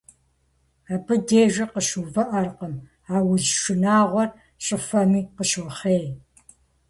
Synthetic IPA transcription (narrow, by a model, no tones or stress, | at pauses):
abɨdeːʒɐqəɕuːvɐʔɐrqəm | aːwʊzʃɨnaːʁʷɔr | ɕʼɪfɐmiːqəɕʊχeːj